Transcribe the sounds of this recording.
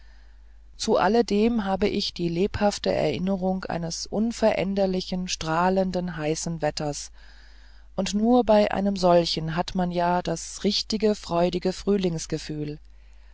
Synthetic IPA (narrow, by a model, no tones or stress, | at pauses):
t͡suʔa̰lədeːmɦaːbəʔɪçd̥iːleːphaftəʔɛ̰ɐʔɪnəʁʊŋʔa̰ɪnəsʔʊnfɛɐʔɛ̰ndɐlɪçn̩ʃtʁ̥aːləndənɦaɪsn̩vɛtɐs | ʔʊntnuːɐbaɪʔa̰ɪnəmzɔlçn̩ɦatmanjaːd̥asʁɪçtɪɡəfʁ̥ɔʏdɪɡəfʁ̥yːlɪŋsɡ̥əfyːl